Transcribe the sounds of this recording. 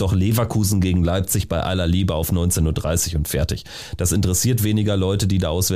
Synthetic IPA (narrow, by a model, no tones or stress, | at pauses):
d̥ɔχleːvakʰuːzn̩ɡeːɡŋ̩laɪp̚t͡sɪçb̥aɪʔa̰lɐliːbəaʊfnɔʏnt͡senuːɐdʁa̰ɪsɪçʊntfɛɐtɪç | d̥asɪntəʁɛsiːɐtv̥eːnɪɡɐlɔʏtədiːdaːʔaʊsv̥ɛ